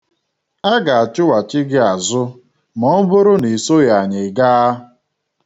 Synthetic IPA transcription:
a˦ɡa˨a˨t͡ʃɪ˦wa˨t͡ʃɪ˦ɡɪ˦a˨zʊ˦ | mɔ˨˦bʊ˦ɾʊ˦ni˨so˦ja˨ɲe˨ɡa˦

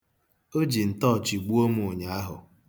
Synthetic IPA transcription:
o˦d͡ʒi˨n̩˨tɔ˦˨t͡ʃi˨ɡ͡bu˦o˦m˦o˨ɲa˨˦a˦ɦʊ̰˨

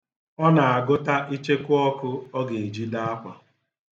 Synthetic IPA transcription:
ɔ˦na˨a˨ɡʊ˦ta˦ʔi˦t͡ʃe˦kʊ˦ɔ˦kʊ˦ɔ˦ɡe˨i˨d͡ʒi˦da˦a˦kʷa̰˨

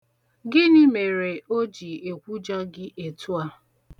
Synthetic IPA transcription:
ɡɪ˦ni˦me˨ɾe˨o˦d͡ʒi˨e˨kʷu˦d͡ʒa˦ɡɪ˦ʔe˨tu˦a˦

